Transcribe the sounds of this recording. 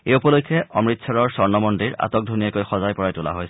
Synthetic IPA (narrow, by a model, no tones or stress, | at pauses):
ejupɔlokʰːɛɔmɹitsɔɹɔɹsɔɹnɔmɔndiɹa̰tɔk̚dʱunijakojxɔzajpɔɹajtula̰ɦojsɛ